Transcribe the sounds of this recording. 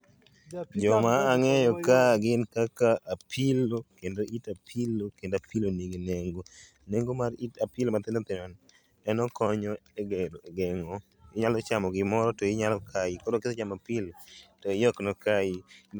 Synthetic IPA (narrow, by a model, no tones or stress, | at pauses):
d͡ʒɔmaːŋɛjɔkaɡɪnkakaʔapʰilokendoʔitapʰilokendapiloniɡineŋɡo | neŋɡomaɾitapɪlmat̪ɪnot̪ɪmɔn | ɛnɔkɔɲɔeɡɛdoeɡɛŋɔ | ɪɲalɔt͡ʃamɔɡɪmɔɾɔtɔɪɲalɔkʰaikodokɪset͡ʃamapɪlotɔjɔknɔkai